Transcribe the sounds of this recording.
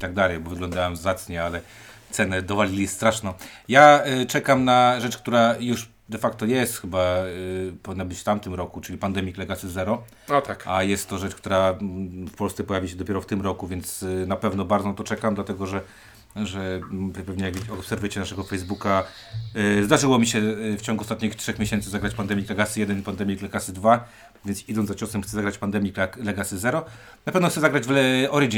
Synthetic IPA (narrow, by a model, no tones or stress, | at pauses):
it̪aɡ̚d̪alɛjbɔvɘɡlɔnd̪awɛmzat̪sɲɛalɛ | t̪sɛnɛd̪ɔvalʲilʲist̪ɾaʂnɔ̃jat͡ʂɛkamnaʐɛt͡ʂkt̪uɾajuʂ | d̪ɛfakt̪ɔjɛst̪xɘba | pɔvʲinːabɘt͡ɕft̪amt̪ɘmɾɔkut͡ʂɘlʲipand̪ɛmʲiklɛɡat̪sɨzɛɾɔ | ɔt̪akajɛst̪ːɔʐɛt͡ʂkt̪uɾafpɔlst̪sɛpɔjavʲiaɕɛd̪ɔpʲjɛɾɔft̪ɘmɾɔkuvʲjɛnt̪snapɛvnɔbaɾd̪zɔnat̪ɔt͡ʂɛkamd̪lat̪ɛɡɔʐɛ | ʐɛppɛvɲɛɡvʲeɔːpsɛɾvɨt͡ɕɛnaʂɛɡɔfɛjzbuka | zd̪aʐɘwɔmʲiɕɛft͡ɕɔ̃ŋɡuɔst̪at̪̚ɲixtʂɛxmʲeɕɛnt̪sɨzaɡɾat͡ɕpand̪ɛmʲiklɛɡasɨjɛd̪ɛnipand̪ɛmʲiklɛɡasɘd̪va | vʲjɛnt̪sid̪ɔnd̪zat͡ɕɔsɛmxt̪sɛzaɡɾat͡ɕpand̪ɛmʲikllɛɡasɘzɛɾɔ | napɛvnɔxt̪sɛzaɡɾad͡ʑvlɛɔɾid͡ʒ